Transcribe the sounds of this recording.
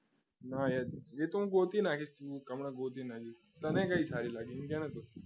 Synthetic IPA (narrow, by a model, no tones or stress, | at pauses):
najejet̪umɡot̪iːnakʰist̪ukɐmɳaɡot̪inad͡ʒi | t̪ɐnẽkaɦiːsaɾiːlaɡiːnkãnat̪o